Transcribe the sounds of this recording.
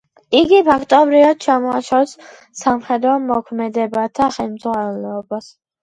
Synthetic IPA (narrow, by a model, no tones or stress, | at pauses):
iɡipʰakʰt̪ʼɔbɾivad̪̥̚t͡ʃʰamɔaʃas | samχɛd̪ɾɔmɔkʰmɛd̪ɛbat̪ʰaχɛlmzʁwanɛlɛɔbas